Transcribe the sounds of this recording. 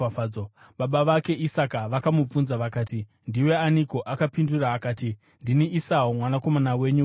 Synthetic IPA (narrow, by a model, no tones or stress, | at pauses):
o | ɓaɓaʋake̞ʔisakaʋakamup͡funzaʋakaːti | ndiwe̞aniko̞ʔakapinduraːkaːti | ndiniʔisaomwanako̞manawe̞ɲu